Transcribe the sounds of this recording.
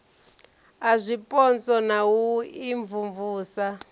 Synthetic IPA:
azʷipʼɔnt͡sɔnawuiɱvuɱvuːsa

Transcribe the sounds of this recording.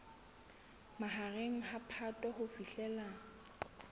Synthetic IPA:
maɦareŋ̩hapʰatʼwahʊfiɬɛla

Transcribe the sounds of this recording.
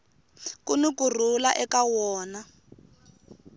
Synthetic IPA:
kunukur̤ulaʔɛkawɔːna

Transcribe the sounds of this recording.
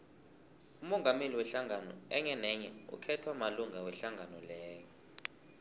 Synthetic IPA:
umɔŋameliwɛɬaŋʱanɔ̰ɛŋɛnɛɲɛṵkʰɛtʰwamaluŋʱawɛɬaŋɡʱanɔlɛːjɔ

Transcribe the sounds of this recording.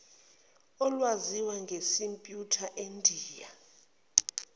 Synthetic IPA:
ɔlwaziwaŋɡʱesimpʼjutʰaʔendʱiːja̰

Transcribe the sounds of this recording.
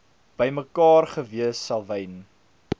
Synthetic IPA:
b̥əjməkɑːrχəviəsːɐlˠvɛjn

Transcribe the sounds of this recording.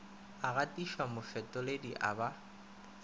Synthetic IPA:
aɣatʼiʃwamʊfɛtʼɔlediʔa̰ba

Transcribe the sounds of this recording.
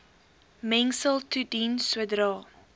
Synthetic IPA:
mɛŋsəlˠtʰudinswədɾɑ

